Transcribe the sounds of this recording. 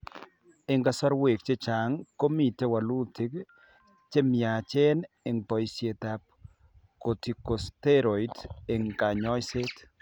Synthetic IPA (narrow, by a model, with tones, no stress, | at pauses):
ɪ˨ŋka˨sɔ˦ɾwe˨k̚t͡ʃe˦t͡ʃa˨ŋko˦mi˨te˦wa˨lu˦tɪ˦k | t͡ʃe˦mja˨t͡ʃe˦n | ɪ˨ŋpɔ˨jsje˨t̪a˨p̚ | ko˨ti˨ko˨ste˦ɾo˨ide˨ŋka˨ɲɔ˦jse˦t̪